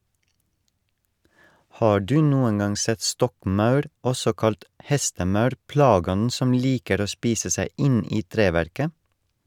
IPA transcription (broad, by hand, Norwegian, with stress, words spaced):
ˈhɑː ˈɖʉː ˈnuːən ˈɡɑŋ ˈsɛt ˈstɔkˌmɑʉɾ ˈɔsɔ ˈkɑlt ˈhɛstəˌmɑʉɾ ˈplɑːˌɡɔnn̩ ˈsɔm ˈliːkəɾ ˈoː ˈspiːsə ˈsæɪ ˈɪn ˈiː ˈtɾeːʋæɾkə